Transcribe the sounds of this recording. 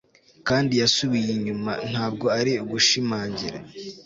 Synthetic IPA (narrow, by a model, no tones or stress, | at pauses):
kaːndijasuβijiɲuma̰n̥haːb̚ɡo̞aɾiuɡuʃimaːɲɟiɾa̰